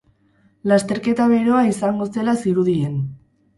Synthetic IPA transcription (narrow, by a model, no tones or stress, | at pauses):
last̪e̞ɾke̞t̪aβe̞ɾo̞aisaŋɡo̞se̞lasiɾuð̞ie̞n